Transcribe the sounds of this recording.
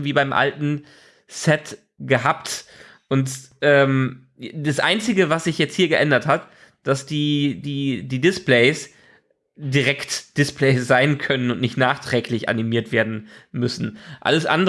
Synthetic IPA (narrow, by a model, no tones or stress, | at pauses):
viːbaɪmʔa̰ltn̩ | sɛt | ɡ̥əɦapt | ʔʊntʔɛːm | d̥asʔa̰ɪnt͡sɪɡəvasz̥ɪçjɛt͡st̚hiːɐɡəʔɛndɐthat | d̥asd̥iːdiːdiːdɪspleɪs | diʁɛktd̥ɪsplɛɪsz̥aɪnkʰœnənʊntnɪçtnaːχtʁ̥ɛːklɪçʔa̰nimiːɐtv̥eːɐdn̩mʏsn̩ʔa̰ləsʔa̰ndə